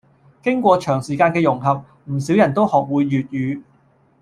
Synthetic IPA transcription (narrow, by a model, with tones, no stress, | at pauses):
kɪ˥ŋkʷɔː˧t͡ʃʰœː˨˩ŋsiː˨˩kaː˧nkɛː˧jʊ˨˩ŋɦɐ˨p̚ | m̩˨˩si˨˥wjɐ˨˩nt̪o˥whɔː˨k̚wuː˨˧jːyː˨t̚jyː˨˧